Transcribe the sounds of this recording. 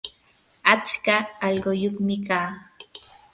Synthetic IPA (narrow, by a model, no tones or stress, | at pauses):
at͡ʃkaːʎɢojokmɪkaː